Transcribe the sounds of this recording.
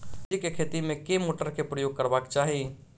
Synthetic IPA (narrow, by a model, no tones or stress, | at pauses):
ikekʰet̪imẽkemoːʈəɾkepɾəjoːɡ̚kəɾbakt͡ʃaːɦi